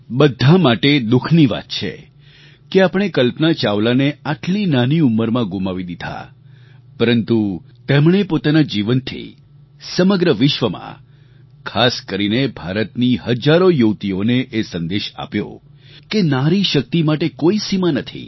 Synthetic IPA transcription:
bəd̪ʱamaʈed̪ukʰniʋa̰t̪t͡ʃʰḛ | keapɽ̃ekəlpnat͡ʃaʋlaneaʈlinaniuməɾmãɡumaʋid̪id̪ʱa̰ | pəɾənt̪ut̪emɳ̃epot̪anad͡ʒiʋənt̪ʰḭ | səməɡɾəʋɪʃʋəmã̰ | kʰaskəɾinebʱaɾət̪niɦəd͡ʒaɾojəwt̪ioneʔesənd̪eʃa̰pjo̰ | kenaɾiʃək̚t̪imaʈekoisimanət̪ʰḭ

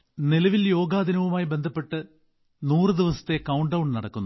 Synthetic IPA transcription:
nilɐʋiljo̞ːɡaːd̪ʱinɐʋumaːjibe̞nd̪ʱɐpːe̞ʈːɨ | nuːrɨd̪iʋɐsɐ̥t̪ːe̞kɐwɳɖɐwɳnɐɽɐkːunːu

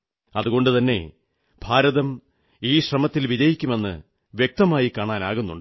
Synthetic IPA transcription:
ɐðuɣo̞ɳɖɨt̪ɐnːe̞̰ | b̥ʱaːɾɐðɐm | iːɕrɐmɐt̪ːilʋid͡ʑɐjikʲːume̞nːɨ̰ | ʋjek̚t̪ɐmaːjikaːɳaːna̰ːɣunːuɳɖɨ

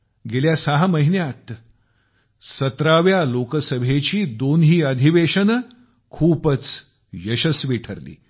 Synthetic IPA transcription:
ɡeljasaɦaməɦinjat̪ | sət̪ɾaʋjalokəsəbʱet͡ɕiːd̪onɦiːəd̪ʱiʋeɕən | kʰuːpət͡s | jəɕəsʋiʈʰəɾlḭː

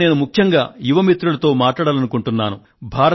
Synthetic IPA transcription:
eːnumukʰjɐŋɡaːjuʋɐmit̪ɾulɐt̪o̞ːmaːʈɭaːɽaːlɐnukuɳʈunːaːnu | bʱaːɾɐ

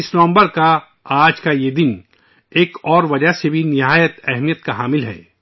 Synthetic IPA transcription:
ɪsnɔ̃ːmbəɾka | aːd͡ʒkajed̪ɪn | eːkɔːɾʋɐd͡ʒəsebʱinɪɦaːjət̪ɛɦmijət̪kaɦaːmɪlɦɛ̰ː

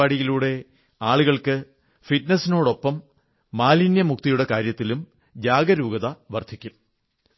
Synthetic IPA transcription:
aːɽiɣiluːɽe̞ | aːɭuɣɐɭkɨ | fitnɐsino̞ːɽo̞pːɐmː | aːlinjɐmuk̚t̪ijuɽe̞kaːɾjɐt̪ːilum | d͡ʑaːɡɐɾuːɡɐðɐʋɐrd̪ʰʱikʲːum

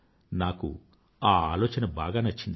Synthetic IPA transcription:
naːkṵ | aːaːlɔːt͡ʃɐnɐbaːɡaːnɐt͡ʃːind̪i

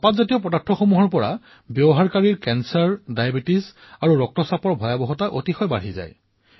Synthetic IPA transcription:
patzatijɔpɔdatʰːɔxomuɦɔɹpɔɹa̰ | bjɔbɔɦaɹkaɹiɹkɛnsaɹdajabitis | aɹuɹɔk̚tɔsapɔɹbʱɔjabɔɦɔtaʔotixɔjba̰ɹɦiza̰j

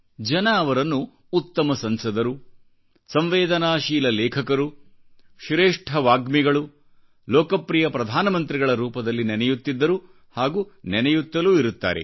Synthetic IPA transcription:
d͡ʒɐnɐːʋɐɾɐnːuː | t̪ːɐmɐsɐnsɐd̪ɐɾu | sɐmʋeːd̪ɐnaːʃiːlɐlɛːkʰɐkɐɾu | ʃɾeːʂʈʰɐʋaːɡmiɡɐɭu | lɔːkɐpɾijɐpɾɐd̪ʱaːnɐmɐnt̪ɾiɡɐɭɐɾuːpɐd̪ɐlːinɛnɛjut̪ːid̪ːɐɾu | haːɡuːnɛnɛjut̪ːɐluːiɾut̪ːa̰ːɾḛ

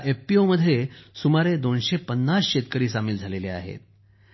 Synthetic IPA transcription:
ʔefpioməd̪ʱːjesumaɾed̪onɕepənːasɕet̪kəɾiːsamiːld͡zʱalelea̰ɦḛt̪̚

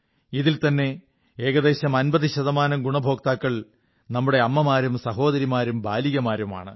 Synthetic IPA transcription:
iðilt̪ɐnːe̞ | eːɣɐðe̞ːɕɐmɐnbɐðiɕɐðɐmaːnɐmɡuɳɐbʱo̞ːkt̪aːkːɐɭ | nɐmːuɽe̞ɐmːɐmaːɾumsɐɦo̞ːd̪ɐɾimaːɾumbaːliɣɐmaːɾuma̰ːɳɨ

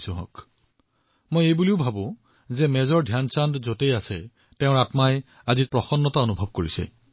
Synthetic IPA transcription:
sʊ̃ɦɔ̰k | mojejbuliʊbʱabʊ̃ | zɛmɛzɔɹdʱjansandzotejasɛ̰ | tɛʊ̃ɹatmaj | azit̚pɹɔxɔnːɔtaonubʱɔb̚koɹisɛ̰

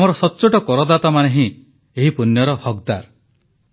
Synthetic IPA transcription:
mɔɾɔsɔtːt͡ʃoʈɔkɔɾɔd̪at̪amaneɦĩ | eɦipunjɔɾɔhɔɡd̪aɾ

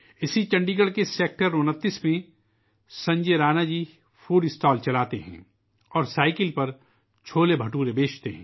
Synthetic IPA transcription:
ɪsit͡ʃɐ̃ɳɖiːɡəɽkeseːk̚ʈəɾʊnət̪ːismẽ | sɐ̃ɲd͡ʒeɾaːnad͡ʒiː | fuːɖɪsʈaːlt͡ʃɐlaːt̪eɦɛ̰̃ː | ɔːɾsaːɪkɪlpɐɾ | t͡ʃʰoːlebʱɐʈuːɾebeːt͡ʃt̪eɦɛ̰̃ː

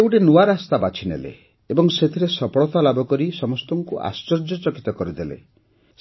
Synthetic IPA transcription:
euʈenuwaɾast̪abat͡ʃʰinḛlḛː | bɔŋset̪ʰiɾesɔpɔɭɔt̪alabɔkɔɾisɔmɔst̪ɔŋkuʔa̰st͡ʃɔɾd͡ʒɔt͡ʃɔki̥t̪ɔkɔɾid̪elḛ

